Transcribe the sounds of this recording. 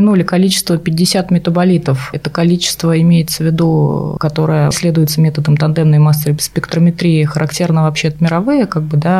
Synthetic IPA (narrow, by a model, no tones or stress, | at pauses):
ɪnulʲɪkɐlʲit͡ɕɪ̥st̪vəpʲɪdʲːɪsʲat̪mʲɪt̪əbɐlʲit̪əfɛt̪əkɐlʲit͡ɕɪ̥st̪vəɪmʲejɪt̪səvʲɪd̪ukɐt̪o̞ɾɨjə̰sʲlʲe̞d̪ʊjɪt̪səmʲet̪əd̪əmt̪ɐnd̪ɛmnəjmasʲːəɾɨspʲɪkt̪ɾəmʲɪt̪ɾʲiɪxəɾʔɐktʲe̞rnəvɐpɕet̪əmʲɪɾɐvɨjəkaɡ̚bɨd̪a